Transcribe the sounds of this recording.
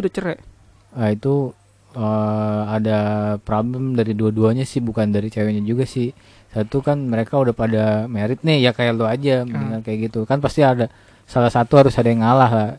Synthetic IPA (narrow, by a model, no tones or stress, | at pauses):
dat͡ʃəɾɛʔ | ait̪u | əadapɾabləmdaɾiduaduaɲasɪhbukandaɾit͡ʃajɔɲad͡ʒuɡasɪh | sat̪ukanməɾekaudahpadamaɾɪt̪̚nɪhjakajaload͡ʒaməndiŋarkajaʔɡit̪ukanpast̪iada | salasat̪uhaɾʊsadaŋalahlah